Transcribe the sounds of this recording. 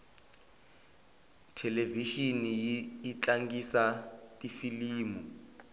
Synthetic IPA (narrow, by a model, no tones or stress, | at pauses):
tʰɛleviʃinijiit͡ɬaŋɡisatʼifiliːmu